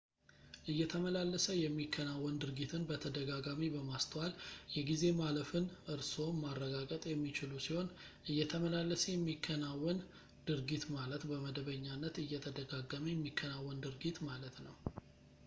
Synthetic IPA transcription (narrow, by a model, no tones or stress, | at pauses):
ʔɨjːɛt̪ʰəməlalːəsəjɛmːikʰːənawːɔnd̪ɨɾɡit̪ʰɨnbət̪ʰəd̪əɡaɡamibəmast̪ʰwaljɛɡize̞maləfɨnɨɾso̞marːəɡaɡʼət̪ʼjɛmːit͡ʃɪlusiho̞n | ʔɨjːɛt̪ʰəməlalːəsəjɛmːikʰːənawːən | d̪ɨɾɡit̪malət̪bəməd̪əβəɲːanːət̪ɨjːɛt̪ʰəd̪əɡaɡəməjɛmːikʰːənawːənd̪ɨɾɡit̪malət̪nəw